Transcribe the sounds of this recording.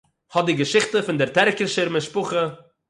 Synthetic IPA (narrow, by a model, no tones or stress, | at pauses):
hɔdɪɡəʃɪχtəfɪndɪɾtɛɾkəʃəɾmɪʃpʊχə